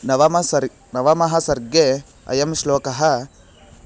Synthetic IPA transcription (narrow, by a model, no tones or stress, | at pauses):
nɐʋɐmɐsɐɾ | nɐʋɐmɐɦɐsɐɾɡe | ɐ̰jɐmʃloːkɐɦɐ